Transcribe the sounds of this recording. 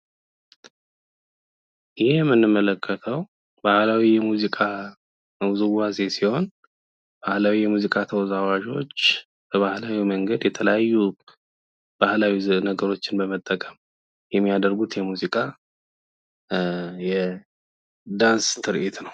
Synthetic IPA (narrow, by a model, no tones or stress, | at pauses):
ɪhijmːɨnːɨmːələkʰːət̪ʰəw | bahlawijɛmuzikʼa | zɨwazesiho̞n | b̥ahlawijɛmuzikʼat̪ʰəwɔzawaʒo̞̰t͡ʃː | b̥əβahlawiməŋɡəd̪jɛt̪ʰələjajːu | b̥ahlawinəɡəɾo̞t͡ʃːɪnbəmət̪ʼːəkʼəm | jɛmːijad̪əɾɡut̪jɛmuzikʼa | jɛ | d̪anst̪ʰɨɾʔit̪nəw